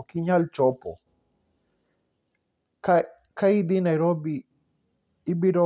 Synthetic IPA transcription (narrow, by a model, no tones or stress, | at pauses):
kiɲalt͡ʃɔpɔ̰ | kaid̪inajɾɔbi | ibiɾo